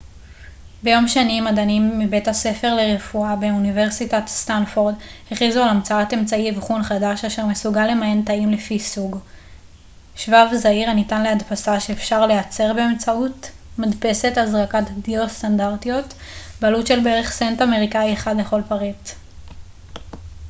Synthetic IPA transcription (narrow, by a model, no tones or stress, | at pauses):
be̞jo̞mʃanimadanimːibe̞thase̞fe̞ʁleʁefuabe̞unive̞ʁsitatstanfoʁdheχizualamt͡saate̞mt͡saivχunχadaʃaʃeʁmesuɡalːemajentaimlefisuɡ | ʃvavzaiʁanitanleadpasaʃe̞ːfʃaʁle̞jat͡se̞ʁbeemt͡saut | madpe̞se̞tazʁakatdiostandaʁtijo̞tbealutʃe̞lbeʁeχsentame̞ʁikajeχadle̞χo̞lpaʁit